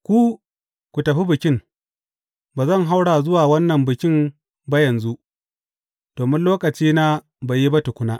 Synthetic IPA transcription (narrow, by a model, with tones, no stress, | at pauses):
kʷu˦ | kʷu˨tɐ˨ɸi˦bɪ˨kʲɪ˦ŋ | baː˨zɐ˦˨ŋɦa˦wɽaː˨zʊ˦waː˨wɐ˦nːɐ˨mbɪ˨kʲɪ˦m | ba˦jɐ˨nzu˦ʔ | d̥oː˨mɪ˦nloː˦kʼɐ˨t͡ʃiː˦na˦ | ba˨ji˦ba˦tʊ˨kʷʊ˦naː˦ʔ